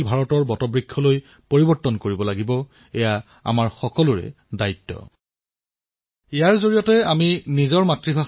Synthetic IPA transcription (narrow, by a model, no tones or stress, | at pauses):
lbʱaɹɔtɔɹbɔtɔbɹikʰːɔloj | poɹibɔɹtːɔnkoɹibɔlaɡibɔ | ɛja | a̰maɹxɔkɔlʊɹɛ̰ | dajtːɔ̰ | ɛjaɹzoɹijɔtɛaminizɔɹmatɹibʱa